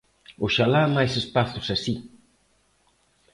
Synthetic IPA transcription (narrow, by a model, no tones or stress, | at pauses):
ʊʃalamajsespaθʊsasi